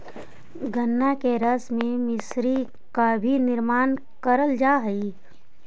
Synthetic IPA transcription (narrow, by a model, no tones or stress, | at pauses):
ɡʱənːakeɾəsmẽmɪsɾi | kabʱinɪɾmaːn | kəɾəld͡ʒaːɦəi